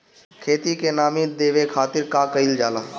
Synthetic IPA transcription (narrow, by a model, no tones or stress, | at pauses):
kʰeːt̪ikenaːmĩd̪eːʋekʰaːt̪ɪɾkakəild͡ʒaːlaː